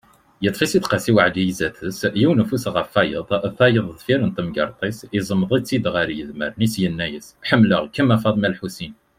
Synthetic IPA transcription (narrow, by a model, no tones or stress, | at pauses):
jət̪ˤfisit̪qɑsiwəʕd̪ijizæθəsjiwnəfusʁəfæjəðˤθɑjəðˤðˤfiɾənt̪əmɡə̰ɾˤt̪ˤisizˤəmːðˤit͡sːid̪ʁəɾjəðmə̰ɾnisjənːæjəsħəmːləʁkəmːæfɑðˤmælħusin